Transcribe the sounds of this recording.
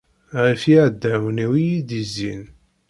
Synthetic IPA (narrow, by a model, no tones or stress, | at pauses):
ʁifiʕəd̪ːæwəniwijiðizːin